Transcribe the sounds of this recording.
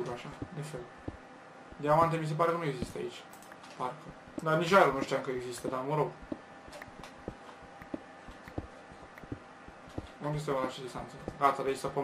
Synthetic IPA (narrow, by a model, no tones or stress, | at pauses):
ɾaʃad̪ifel | d̪eamant̪̬emis̬e̞p̬aɾekənue̞ɡzist̪əa̰it͡ʃʲ | parkə | d̪anit͡ʃajɾonuʃt̪ijaŋkəeɡzist̪əd̪aməɾoɡ | okest̪ewaɾat͡ʃed̪ist̪a̰nsəɡat̪ad̪eisəpo